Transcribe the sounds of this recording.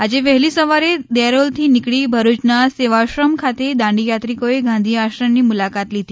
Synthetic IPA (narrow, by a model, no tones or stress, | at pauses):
ad͡ʑeʋəɦliːsəʋaɾed̪eɾolt̪ʰiːnikɽiːbʱəɾut͡ɕnaseʋaɕɾəmkʰat̪ed̪ãɳɖijat̪ɾikoeɡʱãnd̪ʱiːaɕɾənːiːmulakat̪lit̪iː